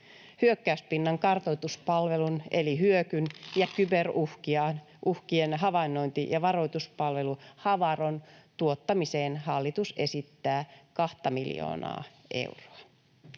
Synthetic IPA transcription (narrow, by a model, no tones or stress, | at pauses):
hyøkːæyspinːɑŋkɑrt̪ojt̪uspɑlʋe̞lunʔeliɦyøkynjɑkyberuhkiɑn | ʔuhkienɦɑʋɑinːo̞jnt̪ijɑʋɑro̞jt̪uspɑlʋe̞luhɑʋɑront̪uot̪ːɑmiseːnɦɑlːit̪use̞sit̪ːæːkɑht̪ɑmiljo̰ːnɑ̰ː | ʔe̞̰wro̥ɑ